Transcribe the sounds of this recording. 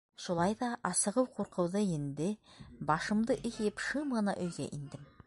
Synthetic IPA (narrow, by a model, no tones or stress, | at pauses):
ʃulˠɑjðɑʔɑsɤ̆ʁɤwquɾqɤ̆wðɤind̪ɘbɑʃɤ̆md̪ɤʔɘ̆kjɘpʃɤmʁɤ̆nɑʔɵ̆jɡæ̰ʔind̪ɘm